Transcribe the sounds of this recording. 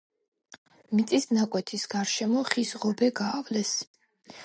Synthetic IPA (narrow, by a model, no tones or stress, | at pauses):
mit̪sʼisnakʼwɛt̪ʰisɡ̥aɾʃɛmɔχisʁɔbɛɡaːvlɛs